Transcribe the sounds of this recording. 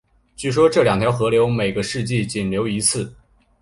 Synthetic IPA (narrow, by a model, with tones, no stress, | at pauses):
t͡ɕy˥˩ʂ̬wɔ˥ʈ͡ʂɤ˥˩ljɑ˨˩ŋt̪ʰjɑ˧˥ʊxɤ˧˥ljo˧˥ʊme˨˩ɪɡə˧˦ʂɻ̩˥˧t͡ɕi˥˩t͡ɕi˨˩nljo˧˥ʊi˧˥t͡sʰɹ̩˥˩